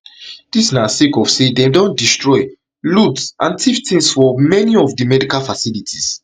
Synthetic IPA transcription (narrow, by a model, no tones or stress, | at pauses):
d̥isnasekɔfsedɛ̃mdɔ̃n̚distɹɔɪ | ludsʔãntʰiftĩnsfɔmɛniɔfdimɛdikalfasilitʰis